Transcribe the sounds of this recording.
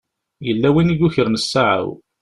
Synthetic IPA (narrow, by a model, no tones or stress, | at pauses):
jəlːæwiniɡuçəɾnəsːaʕa̰w